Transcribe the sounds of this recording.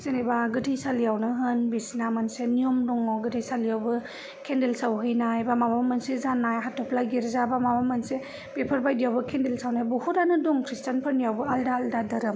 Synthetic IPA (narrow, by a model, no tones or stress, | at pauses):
senibaɡɯtʰijsalijawnɯɦɯnbisnamansenijɔmdɔŋɔɡɯtʰijsalijawbɯ | kʰendelsawɦɯjnajbamamamɯnsezanajɦatʰɔpʰlaɡiɾzabamamamanse | bepʰaɾbajdijawbɯkʰendelsawnaabɔhuɾanɯdɔŋkʰɾistanpʰɯɾnijawbɯaldaːldadɐɾɯm